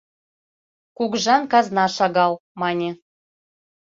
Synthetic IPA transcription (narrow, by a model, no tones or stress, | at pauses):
kuɡʒɑnkɑznɑʃɑɣɑlˠmɑnʲe